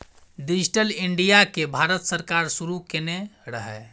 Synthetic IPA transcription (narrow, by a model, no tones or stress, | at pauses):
ɖid͡ʒʱiʈəliɳɖijakebʱaɾət̪səɾkaɾsuɾukeneɾəɦɛ